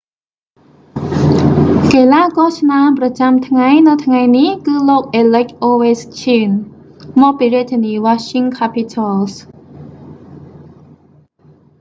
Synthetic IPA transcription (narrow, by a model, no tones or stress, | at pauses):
kelaːkɑt͡ɕʰnamprɑt͡ɕamt̪ʰŋajnɨwt̪ʰŋajnihkɨːloːk̚ʔeːlək̚ʔoːʋest͡ɕʰiːn | mɔːk̚piːriəc̚t̪ʰːeniːʋaʃiŋkʰapʰit̪ʰals